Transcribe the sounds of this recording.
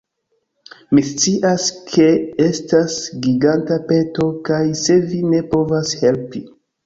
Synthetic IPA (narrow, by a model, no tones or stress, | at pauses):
mist͡siʔaskʰe̞estasɡiɡantape̞to̞kajse̞vine̞po̞vashe̞lpi